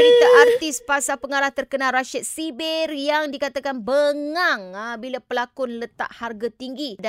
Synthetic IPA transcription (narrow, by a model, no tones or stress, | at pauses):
it̪aʔart̪ispasapəŋaɾaht̪ərkənalraʃət̪̚sibɛrjaŋdikat̪akanbəŋŋaŋabilapəlakʊnlət̪a̰ʔharɡat̪iŋɡida